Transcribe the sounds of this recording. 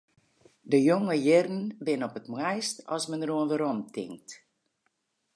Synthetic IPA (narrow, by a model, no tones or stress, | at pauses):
dəjoŋəjɪrn̩bɪnɔpətmwɛjstɔ̰sməndəruənʋəɾɔmtɪ̰ŋk̚t